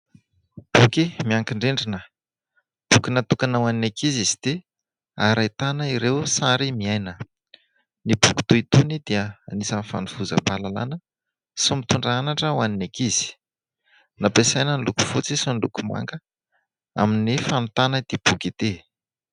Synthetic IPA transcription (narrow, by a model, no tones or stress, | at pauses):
b̥ukimiaŋkiɳɖ͡ʐeɳɖ͡ʐinə | b̥ukinat̪ukanawaninakizizid̪e | aɾajt̪anəiɾewsaɾimiajnə | nibuki̥t̪uit̪unid̪iəanisənifa̰niv̥uzə̰palala̰nə | sumit̪uɳɖ͡ʐaanaʈ͡ʂəwaninakiz̥i̥ | napesajnənluku̥fut͡sisinilṵkuma̰ŋkə | a̰minifanut̪anəd̪̥eb̥ukit̪e